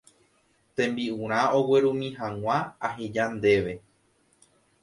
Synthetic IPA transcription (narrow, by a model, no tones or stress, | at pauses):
t̪ẽ̞mbiũɾ̃ão̞we̞ɾũmĩɦãw̃ãaɦed͡ʒand̪e̞ʋe̞